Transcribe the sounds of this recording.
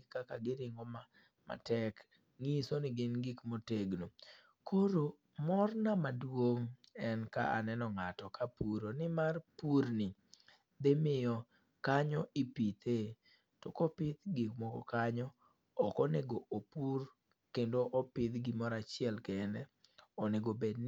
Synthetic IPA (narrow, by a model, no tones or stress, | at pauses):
kakaɡɪɾɪŋɡɔma | ma̰tɛk | ŋisonɪɡɪnɡikmoteɡno | kʰoɾo | mɔrnamadwoŋɛnka̰ʔa̰nɛnɔŋatɔkʰapuɾonɪmarpuɾnɪ | d̪emɪjɔ | kaɲɔʔipit̪ʰe | tɔkɔpɪt̪ɡikmɔkɔ̰kaɲɔ | ɔkɔneɡoʔopur | kendoʔɔpɪt̪ɡɪmɔɾat͡ʃɪɛlkɛnɛɔneɡobedn